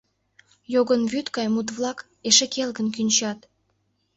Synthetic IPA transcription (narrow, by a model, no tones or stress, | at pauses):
joɣənβyt̪kɑjmut̪βlɑk | eʃekelɣənk̬ynʲt͡ɕɑt̪